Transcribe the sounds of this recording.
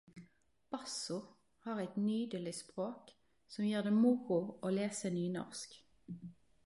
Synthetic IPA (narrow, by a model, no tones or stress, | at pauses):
b̥ɑsʊ | hɑːʁɛɪt̪nyːd̪əlɪspʁoːk | sɔmjiːʁd̪eːmʊʁʊʔoːleːsənyːnɔ̰ʁsk